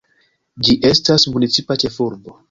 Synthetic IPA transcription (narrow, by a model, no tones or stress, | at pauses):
d͡ʒiʔe̞stasmunit͡sipat͡ʃe̞fuɾbo